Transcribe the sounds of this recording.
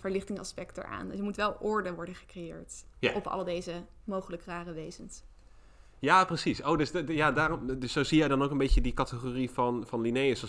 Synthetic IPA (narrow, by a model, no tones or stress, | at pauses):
vəɹlɪχtɪŋɑ̰spɛktə̰ɹa̰ːnəmutʋɛlˠʔɔɹdəʋɔɹdənχə̥krejɪ̰ːɹtjaʔɔpɑ̰lˠdejzə | mowχələkraːrəʋejzəns | jaːprəsisowdəsjadaːrɔmdsowzijɛjdɑnowkənbejcədikɑtəχorifɑnvɑnlinejəs